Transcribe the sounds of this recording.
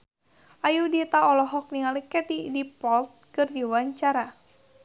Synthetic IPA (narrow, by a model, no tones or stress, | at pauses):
ajudit̪aɔlɔɦɔk̚niŋalikɛt̪idipɔlt̪̚kɨrdiwaɲt͡ʃaɾa